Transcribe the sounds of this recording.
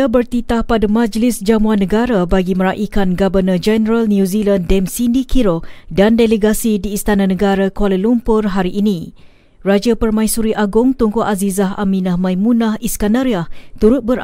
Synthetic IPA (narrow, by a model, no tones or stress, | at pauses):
abərt̪it̪ahpadamãd͡ʒlɪsd͡ʒamuanːəɡaɾabaɡiməɾaʔikanɡabərnad͡ʒɛnəɾalnjuzilandɛmsindikiɾodandeleɡasidiːst̪ananəɡaɾakwaləlumpʊrɦaɾiʔːnĩ | rad͡ʒapərmãisuɾiʔaɡʊŋt̪uŋkoʔazizaɦʔa̰mĩnahmãimũnahiskandaɾiaht̪uɾʊt̪̚bəɾ